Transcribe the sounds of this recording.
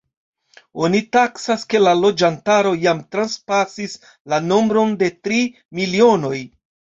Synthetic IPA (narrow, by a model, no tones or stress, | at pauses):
o̞nitaksaske̞lalo̞d͡ʒantaɾo̞jamtɾanspasis | lano̞mbɾo̞nde̞tɾi | milio̞no̞j